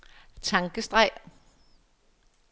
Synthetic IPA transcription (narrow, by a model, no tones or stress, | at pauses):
t͡sʰɑ̈ŋɡ̥əsd̥ʁɑɪ̰